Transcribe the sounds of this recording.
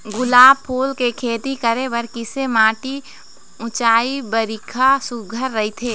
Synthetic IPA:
ɡʊlaːb̚pʰoːlkekʰeːt̪ikəɾeʋəɾkɪsemaːʈi | ʊ̃t͡ʃaːibəɾɪkʰasʊɡʱəɾːɐɦit̪ʰeː

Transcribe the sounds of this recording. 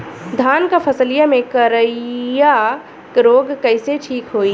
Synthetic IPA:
d̪ʱaːnkapʰɐsəlijamẽkəɾəja | kɾoːɡkɐɪseʈʰiːkɦoːiː

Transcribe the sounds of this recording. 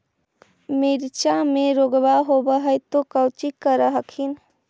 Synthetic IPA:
miɾt͡ʃameɾoɡbaɦobəɦəjt̪okəwt͡ʃikːəɾəɦəkʰin

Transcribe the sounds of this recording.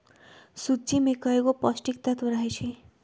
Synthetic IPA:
sut͡simekʌekopʌsʈikt̪at̪uɾaɦet͡ʃʰi

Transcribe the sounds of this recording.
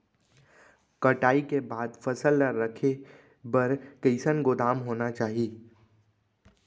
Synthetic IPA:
kəʈaːikebaːd̪fəsəlːaːəkʰe | bəɾkəɪsənɡʊd̪aːmɦoːnat͡ʃaːɦieː

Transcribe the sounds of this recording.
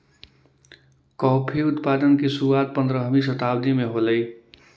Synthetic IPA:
kɔpʰiut̪pad̪ənkesuɾuat̪̚pənd̪ɾəɦmis̬ət̪abd̪imeɦoləj

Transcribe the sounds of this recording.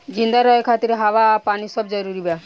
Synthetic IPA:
d͡ʒĩnd̪aɾɔjkʰat̪iɾɦaʋapaːnisɔbd͡ʒəɾuɾibja

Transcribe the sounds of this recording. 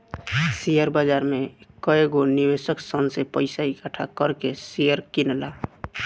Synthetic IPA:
sijəɾbəd͡ʒaɾmekəeɡonibesəksənsepəɪsaikəʈʰakəɾkesijəɾkinla

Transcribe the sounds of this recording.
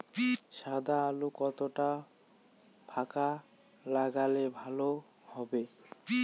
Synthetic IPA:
ʃad̪aalukɔt̪oʈa | pʰaka | laɡalebʱalo | hɔbe

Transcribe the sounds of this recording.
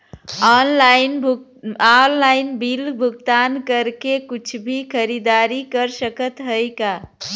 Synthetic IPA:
anlainʱ | allaɪnbilbʱuɡt̪ankəɾkekut͡ʃʰbʱikʰəɾid̪aɾikəɾsəkət̪ɦəjka

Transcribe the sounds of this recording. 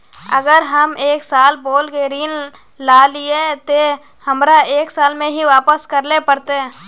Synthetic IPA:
ə̰ɡəɾɦəmeːksaːlboːlkeɾiːn | laːliet̪e | həmɾaeːksaːlmẽɦiʋaːpəskəɾlepəɾt̪e

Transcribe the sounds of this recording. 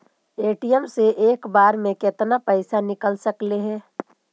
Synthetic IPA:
eːʈijəmseʔeːkbaːɾmẽkɪt̪napəɪsanɪkəlsəkleɦɛː

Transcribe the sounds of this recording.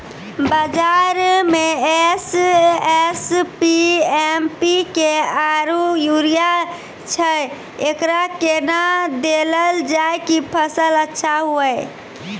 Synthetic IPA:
bəd͡ʒaɾmeesespiempikeaɾujuɾija | t͡ʃʰəj | ekɾakenad̪eləld͡ʒajkipʰəsələtːʃʰaɦuəj

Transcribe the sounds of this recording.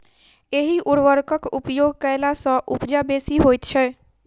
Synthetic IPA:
eɦiʔuɾʋəɾkəkupjoɡkəɪlasə̃ʔupd͡ʒabesiɦojt̪t͡ʃʰɛ

